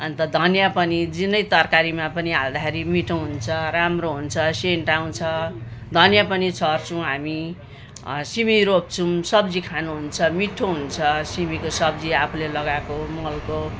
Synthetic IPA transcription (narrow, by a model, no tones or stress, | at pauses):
ʌnt̪ʌd̪ʱʌnjapʌnid͡zinʌjt̪ʌrkaɾimapʌniɦald̪akʰeɾimiʈʰõɦunt͡sʰʌramroɦunt͡sʰʌseɳʈaw̃t͡sʰʌd̪ʱʌnjapʌnit͡sʰʌrt͡sʰuw̃ɦami | simiɾop̚t͡sʰumsʌbd͡zikʰanuɦunt͡sʰʌmiʈʰːoɦunt͡sʰʌsimikosʌbd͡ziapʰulelʌɡakomʌlko